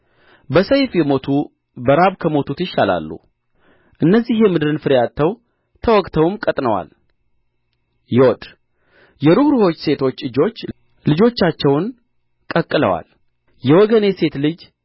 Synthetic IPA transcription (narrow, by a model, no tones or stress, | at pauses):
bəsəjfjɛmo̞t̪ʰu | bəɾaβkʰəmo̞t̪ʰut̪jɪʃːala̰lːṵ | ʔɨnːəzːihjɛmɨd̪ɨɾɨnfɨɾjat̪ʰːəw | t̪ʰəwɔkʼt̪ʰəwɨmkʼət̪ʼnəwa̰l | jɪwɔt̪ | jɛɾuhɾuho̞t͡ʃːse̞t̪ʰo̞t͡ʃːɨd͡ʒo̞t͡ʃː | lɨd͡ʒo̞t͡ʃːat͡ʃːɛwn | kʼəkʼːɨlə̰wa̰l | jɛwɔɡəne̞se̞t̪lɨd͡ʒ